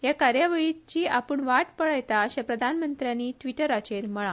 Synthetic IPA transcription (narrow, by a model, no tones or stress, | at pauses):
jakaɾjaʋəit͡ɕiːapəɳʋaʈpəɭajt̪aɕãpɾəd̪ʱanmənt̪ɾjanːiːʈʋiʈəɾat͡ɕeɾməɭa